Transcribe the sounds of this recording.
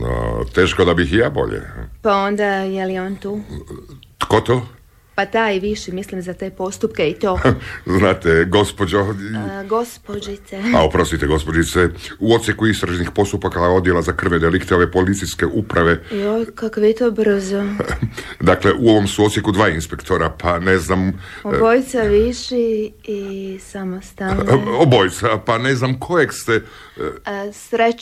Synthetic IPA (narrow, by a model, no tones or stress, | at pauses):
o̰t̪eːʃkod̪abixjaːbo̞̰ʎḛpao̞nd̪ajelijont̪uː | t̪kot̪oː | pat̪ajʋiʃimislimzat̪eːpo̞st̪upkeit̪o̞ːznaːt̪eɡo̞spod͡ʒoɡospod͡ʒit̪ea̰opɾo̞st̪it̪eɡo̞spod͡ʒit̪sɛuo̞t̪sjekuist̪ɾaʒnixpo̞st̪upakao̞d̪jelazakr̩ʋed̪elikt̪eo̞ʋepo̞lit̪siskeʔupɾaʋe̞iokakoʋet̪obr̩zo | d̪akleʔuo̞ʋo̞msuot̪sjekud̪ʋaːinspekt̪o̞ɾapaneznamobojt̪saʋiʃi | isamost̪aobojt̪sapaneznamkʰojekst̪e | sɾe